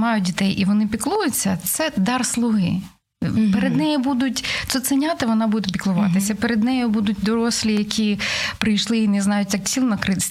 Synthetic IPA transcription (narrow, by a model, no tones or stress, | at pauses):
mɑjʊt̚ʲdʲit̪ɛjʔiʋɔnɪpʲiklˠujʊt͡sʲːɐt̪sɛd̪ɑrslˠʊɦɪ̰ | peɾed̪nɛjibud̪ʊtʲt̪sɛt̪sɛnʲat̪ɪʋɔnɑbud̪epʲiklˠʊʋɑ̰t̪ɪsʲɐpeɾed̪nɛjʊbud̪ʊt̚ʲd̪ɔɾɔsʲlʲijɐkʲipɾɪjʃlˠɪinɛznɑjʊtʲjɑk̚t͡sʲilˠnɐkɾɪsʲ